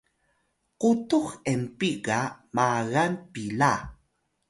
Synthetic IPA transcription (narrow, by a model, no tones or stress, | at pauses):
qutuxempiɡamaɣanpila